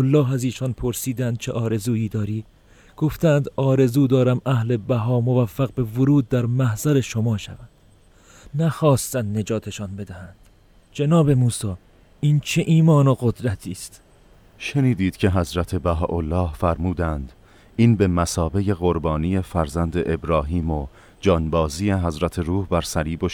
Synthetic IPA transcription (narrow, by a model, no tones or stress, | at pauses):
olːɒːɦæziːʃɒːnpʰo̞ɾsiːd̪ænd̪̥̚t͡ʃʰeʔɒːɾe̞zuːiːd̪ɒːɾiː | ɡ̥oft̪ænd̪ɒːɾe̞zuːd̪ɒːɾæmæhle̞bæɦɒːmo̞væfːæɣbe̞voɾuːd̪̚ːæɾmæhz̥æɾe̞ʃomɒːʃæ̰vænd̪̥ | næxɒːst̪ænd̪ne̞d͡ʒɒːt̪ʰe̞ʃɒːnbe̞d̪æhænd̪̥ | d͡ʒenɒːbe̞muːsɒː | iːnt͡ʃʰeʔiːmɒːnoɣo̞d̪ɾæt̪ʰiːst̪ | ʃeniːd̪iːd̪̥cʰe̞ɦæzɾæt̪ʰebæɦɒːʔolːɒːhfæɾmuːd̪ænd̪ | iːnbe̞mæsɒːbe̞je̞ɣoɾbɒːnije̞fæɾzænd̪eʔebɾɒːɦiːmo | d͡ʒɒːnbɒːzijeɦæzɾæt̪ʰe̞ɾuːhbæɾsæliːbo